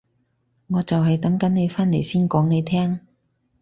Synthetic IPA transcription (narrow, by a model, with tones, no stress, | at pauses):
ŋɔː˨˧t͡sɐ˨wɦɐ˨jt̪ɐ˨˥ŋkɐ˨˥nne˨˧jfaː˥nle˨˩jsiː˥nkɔː˨˥ŋne˨˧jt̪ʰɛː˥ŋ